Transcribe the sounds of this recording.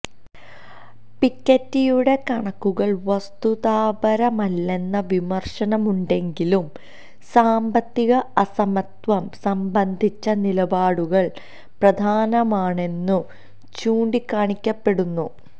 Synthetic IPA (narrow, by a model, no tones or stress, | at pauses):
pikʲːɐtːijuɽe̞kɐɳɐkːuɣɐɭʋɐst̪uðaːbɐɾɐmɐlːe̞nːɐʋimɐrʂɐnɐmuɳɖe̞ŋɡilum | saːmbɐt̪ːiɣɐɐsɐmɐt̪ʋɐmsɐmbɐnd̪ʱit͡ɕːɐnilɐbaːɽuɣɐɭ | prɐd̪ʱaːnɐmaːɳe̞nːu | t͡ɕuːɳɖikːaːɳikʲːɐpːe̞ɽunːu